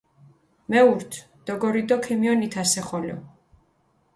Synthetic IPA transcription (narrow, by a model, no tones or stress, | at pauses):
mɛuɾt̪ʰ | d̪̥ɔɡɔɾid̪ɔkʰɛmiɔnit̪ʰasɛχɔlɛ̰